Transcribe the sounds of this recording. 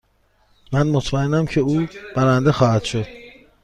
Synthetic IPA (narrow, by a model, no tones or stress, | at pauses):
mænmot̪ʰmæenæmcʰe̞uːb̥æɾænd̪exɒːhæd̪̥ʃo̞d̪̥